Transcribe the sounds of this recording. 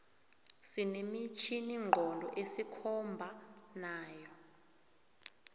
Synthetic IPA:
sinemit͡ʃʰiniŋ͡ǃʱɔndʱɔ̰ʔesikʰɔmbʱanaːjɔ

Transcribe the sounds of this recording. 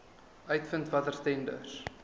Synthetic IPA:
œɥtfəntvɐtərstɛndə̰r

